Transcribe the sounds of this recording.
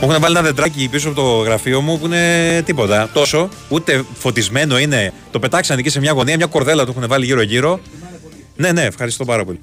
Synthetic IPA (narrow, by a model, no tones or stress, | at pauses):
puexunevɐlienɐðe̞d̪ɾɐcipisusɐpot̪oɣɾɐfio̞mupuine̞t̪ipo̞t̪ɐt̪o̞so̞ | ut̪e̞fo̞t̪izme̞no̞ine̞t̪o̞pe̞t̪ɐksɐnicise̞mɲɐɣo̞niɐmɲɐko̞ɾðe̞lɐt̪uexunevɐliʝiɾo̞ʝiɾo̞ | ne̞ne̞ːfxɐɾist̪o̞pɐɾɐpo̞̰li